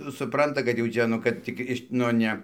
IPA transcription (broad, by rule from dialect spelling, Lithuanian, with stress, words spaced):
sʊˈprɐntɐ kɐt jɛʊ ˈt͡ʃʲɛ ˈnʊ ˈkɐt tʲɪk ˈɪʃ nʊ ˈnʲɛ